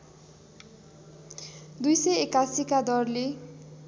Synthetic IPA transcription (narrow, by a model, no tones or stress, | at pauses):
d̪ujsʌjekasikad̪ʌrle